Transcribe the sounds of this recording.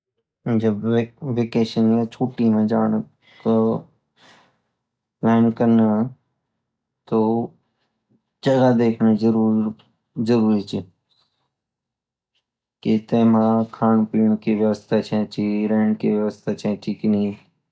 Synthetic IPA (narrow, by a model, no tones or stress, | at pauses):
d͡ʒəbʋeːkeːʃənjãːt͡ʃʰoːʈiːmẽːd͡ʒaːɳə | t̪o | pleːnkənə | t̪oː | d͡ʒəɡad̪eːkʰnzəɾuː | zəɾuːɾit͡ʃʰe | kit̪eːmãːkʰaːnpiːɳ̃kiʋjəʋəst̪ʰat͡ʃʰẽːt͡ʃʰiɾeːɳkeːʋjəʋəst̪ʰat͡ʃʰẽːʈʰiːkni